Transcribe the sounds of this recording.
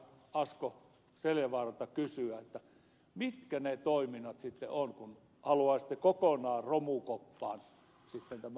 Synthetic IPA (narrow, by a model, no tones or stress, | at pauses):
ɑsko | seljɑʋɑrɑt̪ɑkysyæet̪ːæ | mit̪kænet̪oiminːɑt̪sit̪ːḛonkun | hɑluɑˑist̪ːekokonɑːromukopːɑːn | sit̪ːent̪æmæ